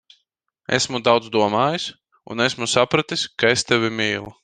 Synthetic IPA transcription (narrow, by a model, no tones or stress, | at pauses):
ɛ̰smud̪awd̪zd̪uɔmaːjis | ṵnɛsmusapɾat̪iskaest̪ɛvʲimʲiːlˠu